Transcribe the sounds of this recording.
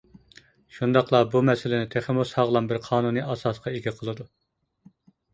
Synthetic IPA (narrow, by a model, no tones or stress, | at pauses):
ʃund̪ɑqlˠɑbumɛsɪlɪnɪt̪ʰeχɪmushɑʁlˠɑnbɪɾqʰɑːnunɨɑsɑsqʰɑeɡʲɛqʰəlˠɨd̪u